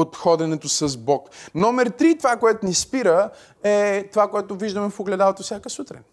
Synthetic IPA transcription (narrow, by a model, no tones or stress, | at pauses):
ot̪xɔd̪ɛnɛt̪osɐzbɔknɔmɛɾt̪ɾit̪ovakoɛt̪ʊnispiɾə | ɛt̪ovakoɛt̪ʊviʒd̪əmɛfoɡlɛd̪alˠot̪ofsjakəsut̪ɾɛ̰